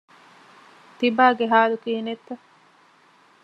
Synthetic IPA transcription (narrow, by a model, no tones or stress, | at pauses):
t̪ibaːɡeɦaːlukiːnet̪ːɐ